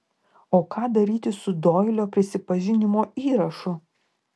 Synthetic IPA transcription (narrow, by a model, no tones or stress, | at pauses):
oːkɑːd̪ɐɾʲiːt̪ʲɪsʊd̪oːɪlʲoːpʲɾʲɪsʲɪpɐʒʲɪnʲɪmoːiːɾɐʃʊ